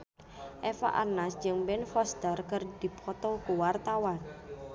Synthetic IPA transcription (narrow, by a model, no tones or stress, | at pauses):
ʔɛfa̰ʔa̰rnasd͡ʒɨŋbɛnfɔst̪ərkərd̪̥i̤pʰɔt̪ɔkuwart̪awan